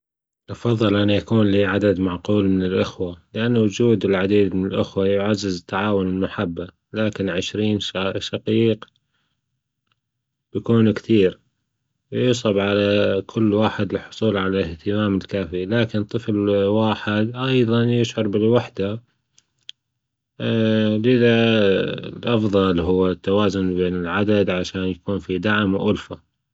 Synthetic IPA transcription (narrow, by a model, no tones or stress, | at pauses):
ʔɑfɑðˤːɨlʔanːajakuːnliːʕad̪ad̪maʕquːlmɪnɪlʔɪxwalɪʔanːawʊd͡ʒuːd̪ɪlʕad̪iːd̪mɪnɪlʔɪxwajʊʕazːɪzɪt̪ːaʕaːwʊnɪlmaħabːa | laːkɪnʕɪʃɾiːnʃaqiːq | bjakuːnkt̪iːɾ | wjʊsˤɑbʕalakʰʊlːwaːħɪd̪ɪlħʊsˤuːlʕalaɪht̪ɪmaːmɪlkaːfilaːkɪnt̪ˤɨflwaːħɪd̪ʔɑjðˤɑnjɪʃʕʊɾbɪlwaħd̪a | lɪða | lʔɑfðˤɑlɦʊwːat̪ːawaːzʊnbeːnɪlʕad̪ad̪ʕaʃaːnjakuːnfid̪aʕmwʔʊlfa